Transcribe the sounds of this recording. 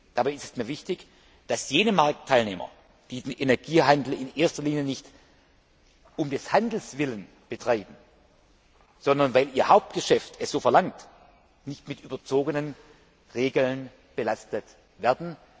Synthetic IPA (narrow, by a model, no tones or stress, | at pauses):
d̥abaɪɪstɛ̥smiːɐvɪçtɪç | d̥asjeːnəmaɐk̚tʰːaɪlneːmɐ̰ | d̥iːdenʔenɛɐɡiːɦandl̩ɪnʔeːɐstɐliːnjənɪçt | ʊmdɛshandl̩sv̥ɪlən | b̥ətʁ̥aɪbm̩ | z̥ɔndɐnvaɪliːɐhaʊp̚t̚ɡ̥əʃɛftʰɛsz̥oːfɛɐlaŋt | nɪçtmɪtʔyːbɐt͡soːɡənən | ʁeːɡl̩n | b̥əlastət | vɛɐdn̩